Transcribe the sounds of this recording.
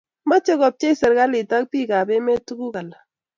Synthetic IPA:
ma˦t͡ʃɔ˦kɔ˨p̚t͡ʃɛ˦i˦sɛ˨ɾka˦lɪ˨ta˦k̚pi˦ka˨bɛ˦mɛ˦tu˦ku˦ka˨la˨

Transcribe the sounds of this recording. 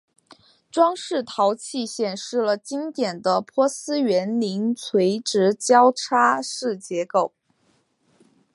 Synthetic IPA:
ʈ͡ʂwɑ˥ŋʂɻ̩˥˩t̪ʰɑ˧˥ʊt͡ɕʰi˥˧ɕjɛ˨˩nʂɻ̩˥˩lə˩t͡ɕi˥ŋt̪jɛ˨˩nd̪ə˦pʰwɔ˥sɹ̩˥ɥɛ˧˥nli˧˥ŋt͡sʰwe˧˥ɪʈ͡ʂɻ̩˧˥t͡ɕjɑ˥ʊʈ͡ʂʰa˥ʂɻ̩˥˩t͡ɕjɛ˧˥ko˥˩ʊ

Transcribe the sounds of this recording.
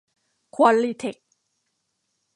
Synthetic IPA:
kʰwa˧li˧t̪ʰe˨˩k̚

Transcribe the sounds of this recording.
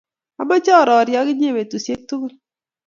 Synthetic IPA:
a˨bɔ˦t͡ʃɔ˦˨ɾɔ˨ɾjɔ˦kɪ˦ɲ˦e˦˨we˨tu˨sje˦k̚tu˦ɡo˦

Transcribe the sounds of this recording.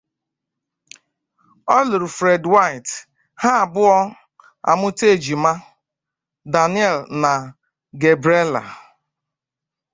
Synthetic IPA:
ɔ˦lʊ˨ɾʊ˨fɾe˨dwa˦ɪ˨t | ha˦a˨bʊ˦ɔ˦ | a̰˨mʊ˦te˦˨d͡ʒi˨ma˦ | da˨nɪ˦ɛ˦˨lna˨ | ɡe˨bɾe˦la̰˨

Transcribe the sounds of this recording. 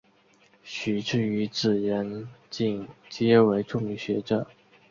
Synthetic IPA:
ɕy˨˩ʈ͡ʂɻ̩˥˩y˧˥t͡sɹ̩˨˩ɻə˧˥nt͡ɕi˥˩ŋt͡ɕjɛ˥we˧˥ɪʈ͡ʂʊ˥˧ŋy˥˩ɕɥɛ˧˥ʈ͡ʂɤ˨˩˦

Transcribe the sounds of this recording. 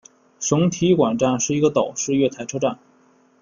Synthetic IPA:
ʂʊ˧˥ŋt̪ʰi˧˥kwa˨˩nʈ͡ʂa˥˧nʂɻ̩˥˩i˧˥ɡə˧t̪ɑ˨˩ʊʂɻ̩˥˧ɥɛ˥˩t̪ʰa˧˥ɪʈ͡ʂʰɤ˥ʈ͡ʂa˥˩n

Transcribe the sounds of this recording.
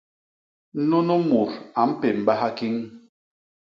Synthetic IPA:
nu˦nu˦mu˨ɾa˨m̩˦pe˨m̩˨ba˦ha˦ki˦ŋ

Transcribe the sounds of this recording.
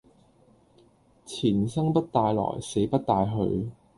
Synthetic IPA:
t͡sʰiː˨˩nsɐ˥ŋpɐ˥t̚t̪aː˧jlɔ̰ː˨˩jse˨˥jpɐ˥t̚t̪aː˧jɦɵ̰˧ɥ

